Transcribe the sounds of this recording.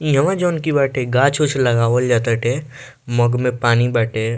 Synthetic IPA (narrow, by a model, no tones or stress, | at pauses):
jɐʋãd͡ʒɔːnkibaːʈeɡaːt͡ʃʰʊt͡ʃʰlɐɡaːʋold͡ʒat̪əʈe | mɐɡmẽpaːnibaːʈeː